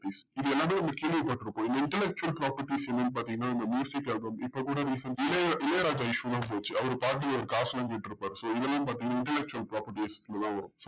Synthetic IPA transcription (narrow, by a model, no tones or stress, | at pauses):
iːsɪðɐɛlːaːmeːnɐmːɐkeːlʋiɐpɐːʈːɪɾɯpːõːɪnd̪ɐɪɳʈɛlɛk̚t͡ʃʊɐlpɾaːpɐɾʈisɛnːɐnːp̬aːɾt̪iːŋɡɐnːaːɪnd̪ɐmjuːsɪkɛlbɐmɪpːokuːɽɐɾiːsɐnɪlɐʔɪlɐɾaːd͡ʒaɐjɪʃʋɐd̪ãːp̬oːt͡ʃːɯɐʋɐɾɯpaːʈ̬ːiɐʋɐɾɯkaːslɐ̃ːŋɡeːʈːɪɾɯpːaːɾɯsoːɪðɛlːãːp̬aːɾt̪ĩːŋɡɐnaɪ̃ɳʈɛlɛk̚t͡ʃuɐlpɾaːpɐɾʈislɐd̪ãːʋɐɾʊ̃msoː